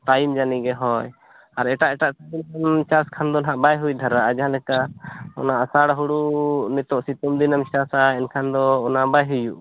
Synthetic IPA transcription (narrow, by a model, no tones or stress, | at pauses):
ʈajmd͡ʒaniɡɛɦɔj | aɾɛʈaʔɛʈaʔʈabinkant͡ʃaskʰand̪ɔnɦaʔbajɦujd̪ʱaɾaʔad͡ʒɦãlɛkaʔɔ̰naasaɽaɦuɽunɛt̪ɔʔsit̪ɔmd̪inamt͡ʃasaɛnkʰand̪ɔːnabajɦujuʔ